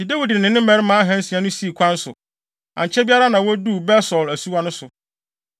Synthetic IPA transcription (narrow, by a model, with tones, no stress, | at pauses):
i˨dɛ˦wi˨dɪ̃˨nɪ̃˦m˦mɛ̃˦ɾɪ˦mã˨˦ɦɛ̃˦n̩˦sĩ˨ã˨˦nʊ̃˦si˦˨kʷʰã˦n̩˦sʊ̰˨ | ã̰˨ɲ˨t͡ɕʰɛ˦bi˦a˦ɾa˦nã˨wɔ˦du˦˨bɛ˦sɔ˨læ˨su˦wa˦nʊ̃˦sʊ˨